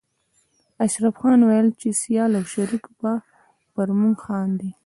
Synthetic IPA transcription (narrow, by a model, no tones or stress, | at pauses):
aʃɾafxɑnwajəlt͡ʃesijɑlawʃaɾikba | pəɾmuŋɡxɑnd̪i